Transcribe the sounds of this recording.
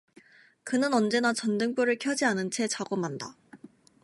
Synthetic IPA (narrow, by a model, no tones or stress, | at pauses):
kɯnɯnʌnd͡ʑe̞nat͡ɕʌndɯŋp͈joɾɯɭkʰjʌd͡ʑianɯnt͡ɕʰe̞t͡ɕaɡomanda